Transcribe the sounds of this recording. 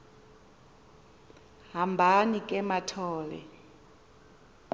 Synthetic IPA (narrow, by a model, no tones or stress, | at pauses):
ɦambʱanikʼɛmatʰɔːlɛ̰